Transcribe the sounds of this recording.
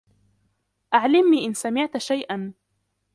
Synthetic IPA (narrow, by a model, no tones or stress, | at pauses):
ʔaʕlɪmːiːʔɪnsamɪʕt̪ʃajʔan